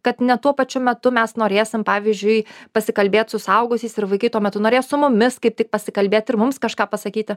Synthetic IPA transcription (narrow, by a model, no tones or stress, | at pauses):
kɐt̪nʲɛt̪uɔpɐt͡ʃʲʊmʲɛt̪ʊmʲɛsnoːɾʲeːsʲɪmpɑːʋʲizʲd͡ʒʲʊɪpɐsʲɪkɐlʲbʲeːt̪sʊsɐʊɡʊsʲiːsɪɾʋɐɪkɐɪt̪uɔmʲɛt̪ʊnoːɾʲeːjsʊmʊmʲɪskɐɪp̚t̪ʲɪk̚pɐsʲɪkɐlʲbʲeːt̪ɪɾmʊmskɐʃkɑːpɐsɐkʲiːt̪ʲɪ